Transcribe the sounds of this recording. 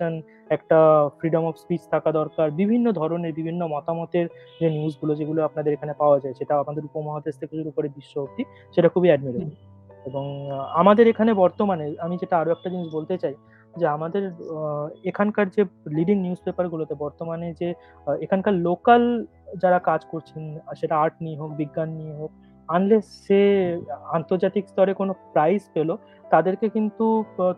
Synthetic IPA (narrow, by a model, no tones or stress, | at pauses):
ʃon | ɛkʈafɾiɖomɔfspit͡ɕt̪ʰakad̪ɔɾkaɾbibʱinːod̪ʱɔɾoneɾbibʱinːomɔt̪amɔt̪eɾ | d͡ʑeniusɡulod͡ʑeɡuloapnad̪eɾekʰanepaoad͡ʑaeʃeʈaapmad̪eɾupomɔɦad̪est̪ʰekeʃuɾukoɾebiʃːoɦok̚t̪i | ʃeʈakʰubʱiɛɖmiɾeɳ | eboŋamad̪eɾekʰanebɔɾt̪omaneamid͡ʑeʈaaɾoɛk̚ʈad͡ʑiniʃbolt̪et͡ɕaj | d͡ʑeamad̪eɾ | ekʰankaɾd͡ʑeliɖiŋniuspepaɾɡulot̪ebɔɾt̪omaned͡ʑe | ekʰankaɾlokal | d͡ʑaɾakad͡ʑkoɾt͡ɕʰenʃeʈaaɾʈ̚nieɦok̚biɡːanːieɦok̚ | anleʃe | ant̪oɾd͡ʑat̪ikst̪ɔɾekonopɾajsfelo | t̪ad̪eɾkekint̪u